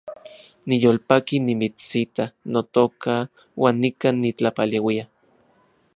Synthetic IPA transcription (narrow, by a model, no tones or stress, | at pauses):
nijoːlpakinimit͡sit̪anot̪oka | wʔaːnːikanːit͡ɬapalewia